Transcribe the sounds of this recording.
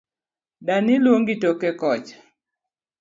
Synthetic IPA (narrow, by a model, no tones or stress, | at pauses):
danɪlwoŋɡitokekɔt͡ʃ